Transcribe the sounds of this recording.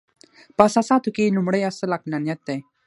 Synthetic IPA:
pasasat̪ʰukinumɽəjasəlak̚nanjat̪ːej

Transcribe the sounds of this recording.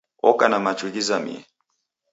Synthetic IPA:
ɔkanamat͡ʃulizamḭɛ

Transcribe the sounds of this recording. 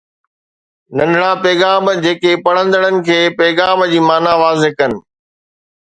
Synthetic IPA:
nɐ̃nɽapɛːɣaːmd͡ʑeːkepɐɽ̤̃ə̃nd̪əɽənɪ̆kʰeːpɛːɣaːmd͡ʑiːmaːnaʋaːzɪkɐnɪ̆

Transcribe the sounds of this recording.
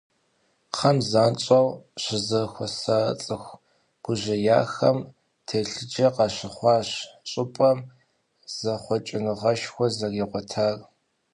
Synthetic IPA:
qʰɐmzaːnt͡ʃʼɐwɕɪzɨxʷɔsat͡sʼɨxʷ | ɡ̥ʷʊʑɐja̰ːxɐm | tʰeːɬɨd͡ʒɐqɑɕɪχʷɑːɕt͡ʃʼɪpʼɐm | z̥ɐχʷɔt͡ʃʼɪnɨʁɐʃxʷɔzɐriːʁʷɔtʰaːr

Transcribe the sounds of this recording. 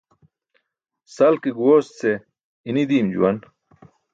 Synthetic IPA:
sɐlkiɡwoːst͡se | inid̪iːmd͡ʑṵwɐn

